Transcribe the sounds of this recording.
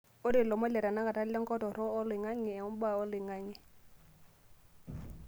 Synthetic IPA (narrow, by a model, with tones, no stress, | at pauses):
ʊ˦dɪ˨lɔ˨mɔ˦lɛ˨ɾa˨na˦ka˨ta˦lɛ˦ŋ˦kʼɔ˦tɔ˨ɾɔː˦lɪ˨ŋa˦ŋɛ˨ɛ˨ʊ˦m˦ba˦˨ɔ˦lɪ˨ŋa˦ŋɪ˨